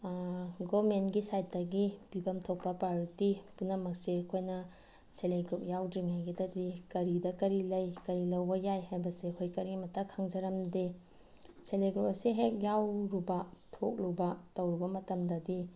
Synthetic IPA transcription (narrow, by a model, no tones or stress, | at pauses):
ɡomenɡisajt̚dɐɡibibɐmtʰok̚pɐpaɾitipunɐmɐk̚seɐkʰojnɐ | seleɡɾup̚jawdɾiŋɦajɡedɐdikɐɾidɐkɐɾilɐjkɐɾilɐwbɐjajhajbɐseɐkʰojkɐɾimɐtʰɐkʰːaŋd͡ʒɐɾɐmde | seleɡɾup̚ɐseɦek̚jawɾubɐtʰok̚lubɐtɐwɾubɐmɐtɐmdɐdi